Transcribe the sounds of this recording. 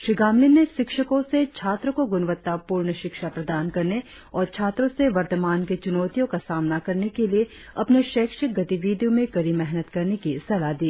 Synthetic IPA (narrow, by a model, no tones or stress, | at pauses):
ʃɾiɡaːmlinːeʃɪkʃəkõset͡ʃʰaːt̪ɾəkoɡʊnʋət̪ːapuːɾɳəʃɪkʃapɾɐd̪aːnkɐɾne | ɔːɾt͡ʃʰaːt̪ɾõseʋɐɾt̪əmaːnket͡ʃʊnɔːt̪ijõkasaːmnakɐɾnekelie | ɐpneʃeːkʃəɡɐt̪iʋiːd̪jõmẽkɐɾimɛɦnət̪kɐɾnekisɐlad̪iː